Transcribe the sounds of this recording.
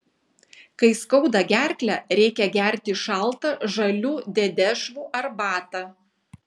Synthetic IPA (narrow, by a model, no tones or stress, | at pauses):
kɐɪskɒʊd̪ɐɡʲæɾʲklʲæɾʲɛɪkʲɛɡʲæˑɾʲt̪ʲɪʃɑˑlˠt̪ɐʒɐlʲuːd̪ʲɛd̪ʲɛʒʋuːʔɐɾbɑːt̪ɐ